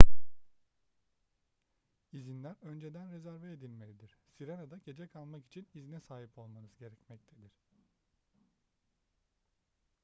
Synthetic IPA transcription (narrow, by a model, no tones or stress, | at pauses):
izinlʲæɾø̞nd͡ʒe̞d̪ænɾe̞zæɾveed̪ilʲme̞lʲid̪iɾ̥siɾenad̪aɟe̞d͡ʒɛkʰalˠmaki̥t͡ʃʰinizinɛsaːɦipʰo̞lˠmanɯzɟe̞ɾɛcmɛc̚t̪ʰed̪iɾ̝̥